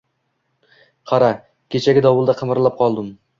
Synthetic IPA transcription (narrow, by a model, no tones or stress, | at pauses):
qʰɑɾa | kʲʰet͡ʃʰaɡʲɪd̪ɒwʊlˠd̪aqʰɨmɪɾlˠap̚qʰɒlˠd̪ɪm